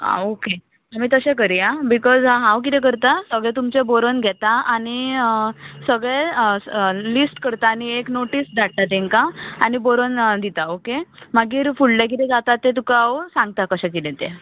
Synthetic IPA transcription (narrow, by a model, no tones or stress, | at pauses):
a̰oke | amiːt̪əɕɛ̃k̬əɾijabikɔzaɦawk̬it̪ɛ̃kəɾt̪asəɡɭɛ̃t̪umt͡ɕeboɾənɡʱɛt̪aañi | səɡɭɛ | lisʈkəɾt̪aːñieknoʈiːsd̪ʱaɽ̚t̪at̪ẽŋkaañiboɾənd̪it̪aokemaɡiːɾfuɽlɛk̬it̪ɛd͡zat̪at̪ːet̪̬ukawsãŋɡ̚t̪akəɕɛkit̪ɛ̃t̪e